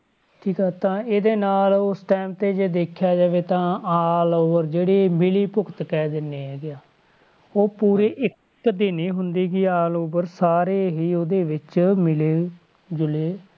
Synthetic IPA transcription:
ʈʰiːkaːt̪ãːeːd̪eːnaːlʊsʈɛːmt̪eːd͡ʒeːd̪eːkʰjaːd͡ʒaːʋeːt̪ãːaːloːbəɾd͡ʒeːɽeːmɪliːpʊkt̪kɛːd̪ɪnːeːɦɛːɡɪaː | oːpuːɾeːʔɪk | d̪ɪneːɦʊnd̪eːkiːaːlʊbəɾsaːɾeːɦiːoːd̪eːʋɪt͡ʃmɪleː | d͡ʒʊleː

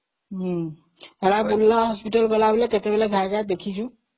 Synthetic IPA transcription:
ɦ̩ | ɦeɽabullaɦɔspiʈəlbəlabelɛket̪ebeleɡʱaɡad̪ekʰit͡ʃʰũ

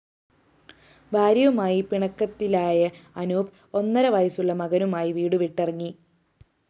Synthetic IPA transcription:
bʱaːɾjɐʋumaːjipiɳɐkːɐt̪ːilaːjɐɐnuːp | o̞nːɐɾɐʋɐjɐsuɭːɐmɐɣɐnumaːjiʋiːɽuʋiʈːerɐŋːi

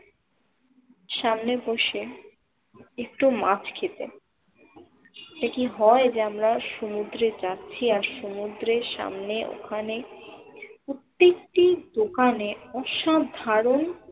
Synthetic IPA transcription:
ʃamneboʃe | ek̚ʈumat͡ɕʰkʰet̪e | ekiɦɔed͡ʑeamɾaʃomud̪ɾet͡ɕatːɕʰiaɾʃomud̪ɾeɾʃa̰mneʔo̰kʰane | ut̪ːik̚ʈid̪okaneɔʃad̪ʱaɾon

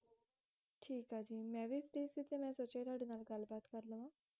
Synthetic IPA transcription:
ʈʰiːkad͡ʑiːmjaʋifɾisit̪ʰemjɛsɔt͡ɕejɾaɽinalɡalbat̪kəɾləma

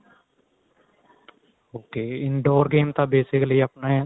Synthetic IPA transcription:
oːkeːɪnɖoːɾɡeːmt̪aːbeːsɪkliːəpnaːɦɛː

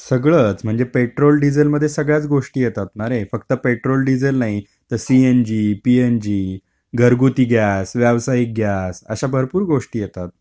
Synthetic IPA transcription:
səɡɭəːt͡sm̤əɳd͡zepeʈɾolɖid͡zelməd̪ʱːjesəɡɭjat͡sɡoʂʈiːjet̪at̪naɾefəkt̪əpeʈɾolɖid͡zelnaɦi | t̪əɾsiend͡ʑipiend͡ʑiː | ɡʱəɾɡut̪iːɡjasʋjaʋsaik̚ɡʱjasə̰ɕabʱəɾpuːɾɡoʂʈiːjet̪at̪̚

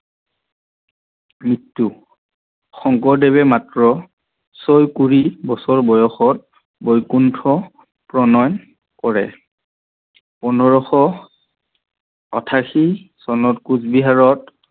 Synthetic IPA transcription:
mitːu | xɔŋkɔdɛbɛmatɹɔ | sojkuɹibɔsɔɹbɔjɔxɔt̚ | bojkuntʰɔ | pɹɔnɔjn | kɔɹɛ | pɔnɔɹɔxɔ | ɔ̰tʰaxisɔnɔtkuzbiɦaɹɔt

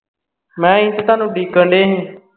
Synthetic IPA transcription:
mɛ̃ːĩːnt̪t̪aːnũːɗiːkəɳɖeːɦĩː

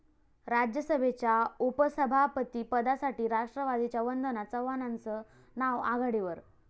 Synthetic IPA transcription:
ɾad͡ʑjəsəbʱet͡ɕjaupəsəbʱapət̪iːpəd̪asaʈiːɾaʂʈɾəʋad̪it͡ɕjaʋənd̪ənat͡səʋanant͡sə | naʋa̰ɡaɽiʋəɾ

